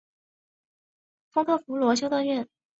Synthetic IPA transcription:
fɤ˥ŋt̪ʰɤ˥˩fu˧˥lwɔ˧˥ɕ̬jo˥ʊt̪wa˥˧nɥɛ˥˩n

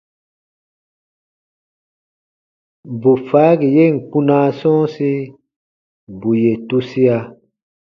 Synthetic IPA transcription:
bu˨faː˨˦ɡi˨je˦˨ŋ̩˨k͡pu˦nãː˦sɔ̃ː˦si˦ | bu˨je˨tu˦si˦a˧

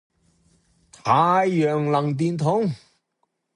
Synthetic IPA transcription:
t̪ʰaː˨˧jːœː˨ŋlɐ˨˩ŋt̪̬iː˧nt̪ʰʊ˨˥ŋ

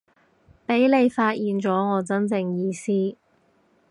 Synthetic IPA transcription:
pe˨˥jle˨˧jfaː˧t̚jiː˨˧nt͡sɔː˨˥ŋɔː˨˧t͡sɐ˥nt͡sɪ˧ŋjiː˧siː˥

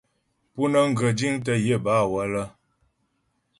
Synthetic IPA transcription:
pu˦nə˦ŋ̩˦˨ɡə˨d͡ʒi˦ŋt̬ə˦je˦˨ba˦˨wə˦lə˦

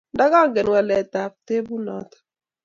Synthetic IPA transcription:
nda˦kɔ˦ŋɡɛ˨nwa˨lɛ˨t̪a˨p̚t̪e˦bu˦nɔ̰˨t̪ɔ̥˨

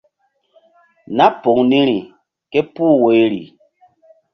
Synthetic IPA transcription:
na˦po˨ŋni˦ɾi˨ | ke˦puː˦˨we˨˦ɾḭ˨

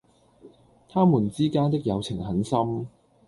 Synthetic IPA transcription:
t̪ʰaː˥muː˨˩nt͡siː˥kaː˥nt̪ɪ˥k̚jɐ˨˧wt͡sʰɪ˨˩ŋhɐ˨˥nsɐ˥m

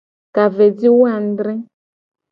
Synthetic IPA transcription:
ka˨ve˨d͡zi˦wu˦a˨n̩˦d̪ɾɛ̃˦

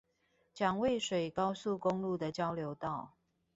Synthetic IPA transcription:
t͡ɕjɑ˨˩ŋwe˥˨ɪʂwe˨˩ɪkɑ˦ʊsu˥˨ko˦ŋlu˥˨d̪ə˨t͡ɕjɑ˦ʊljo˧˦ʊt̪ɑ˥˨ʊ

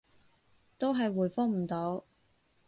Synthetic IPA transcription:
t̪o˥wɦɐ˨jwuː˨˩jfɔː˥ŋm̩˨˩t̪o˧˥w

